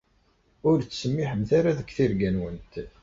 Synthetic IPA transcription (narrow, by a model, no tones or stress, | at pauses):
ʊɾt͡sːsəmːiħənθaɾaðəkθiɾɡænwənt̪